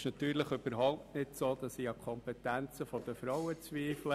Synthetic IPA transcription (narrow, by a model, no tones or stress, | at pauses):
ʃnɑt̪yːɾləχʏb̥əɾɦɔʊp̚tnɪtsoːd̪̥ɑssiːɑkʰɔmpɛtænt͡səfɔd̥̪əfɾɔwət͡sʋiːflə